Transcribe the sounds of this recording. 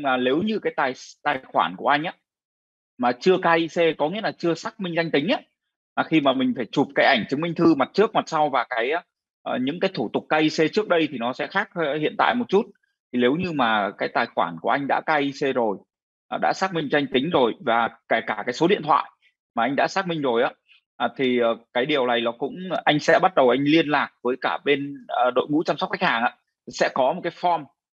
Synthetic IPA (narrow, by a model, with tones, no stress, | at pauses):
ɲ˧ŋaː˨˩le˨˦wɲɨ˧kaː˨˦jt̪aː˨˩jt̪aː˨˩jxwa̰ː˧˩nku˧˩əʔa˧jŋ̟ʔaː˨˦ | maː˨˩t͡ɕɨ˧əkaː˧ʔi˧se˧kɔ˨˦ŋḭ˧˥əlaː˨˩t͡ɕɨ˧əsaː˦˥k̚mï˧ŋ̟za˧jŋ̟t̪ï˨˦ŋ̟ʔaː˨˦ | maː˨˩xi˧maː˨˩mï˨˩ŋ̟faː˧˩jt͡ɕu˨˩p̚kaː˨˦jʔa˧˩jŋ̟t͡ɕɨ˨˦ŋmï˧ŋ̟t̪ʰɨ˧ma˨˩t̚t͡ɕɨ˦˥ək̚ma˨˩t̚sa˧wvaː˨˩kaː˨˦j | ʔɲɨ̰˧˥ŋkaː˨˦jt̪ʰu˧˩t̪ʊ˨˩k̚kaː˧ʔi˧se˧t͡ɕɨ˦˥ək̚ɗə˧jt̪ʰi˨˩nɔ˨˦sɛ̰˧˥xaː˦˥k̚hḭ˧˨ənt̪a̰ː˧˨jmo˨˩t̚t͡ɕu˦˥t̚ | t̪ʰi˨˩le˨˦wɲɨ˧maː˨˩kaː˨˦jt̪aː˨˩jxwaː˧˩nku˧˩ʔa˧jŋ̟ɗa̰ː˧˥kaː˧ʔi˧se˧zo˨˩j | ʔɗa̰ː˧˥saː˦˥k̚mï˧ŋ̟t͡ɕɔ˧ŋ̟t̪ï˨˦ŋ̟zo˨˩jvaː˨˩ka˧˩kaː˧˩kaː˨˦jso˨˦ɗḭ˧˨ənt̪ʰwa̰ː˧˨j | maː˨˩ʔa˧ŋ̟ɗa̰ː˧˥saː˦˥k̚mï˧ŋ̟zo˨˩jʔaː˨˦ | ʔːt̪ʰi˨˩əː˨˩kaː˨˦jɗi˨˩əwna˨˩jlɔ˨˩kʊ̰˧˥ŋ͡mʔa˧jŋ̟sɛ̰˧˥ɓa˦˥t̚ɗə˨˩wʔa˧jŋ̟li˧ənlaː˨˩k̚vəː˨˦jkaː˧˩ɓe˧nəː˨˩ɗo̰˧˨jŋṵ˧˥t͡ɕa˧msk͡p̚ka˦˥jk̚haː˨˩ŋʔa̰ː˧˥˨ | sɛ̰˧˥kɔ˨˦mo˨˩kaː˨˦fɔ˧m